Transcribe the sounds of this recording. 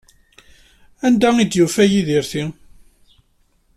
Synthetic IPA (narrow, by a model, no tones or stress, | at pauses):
ænd̪æid̪jufæjiðiɾθi